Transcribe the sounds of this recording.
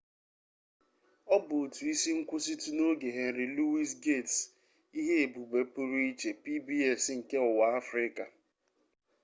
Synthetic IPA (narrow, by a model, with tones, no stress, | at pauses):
ɔ˦bʊ˨tu˨i˦si˦ŋ̩˦kʷʊ˦si˦tu˦no˦ɡe˨ɦe˨n̩˨ɾɪ˨lu˦wi˦s̬ɡe˦˨ts | i˦ɦe˦e˨bu˨be˨pu˦ɾu˦i˦t͡ʃe˨pi˦bi˦ɛ˦˨sŋ̩˨ke˦ʊ˨wa˨a˦fɾɪ˦ka˨